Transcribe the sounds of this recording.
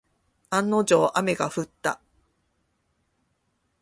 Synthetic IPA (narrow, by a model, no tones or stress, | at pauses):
ãnːo̞d͡ʑoːʔame̞ɡaɸɯ̟t̪ːa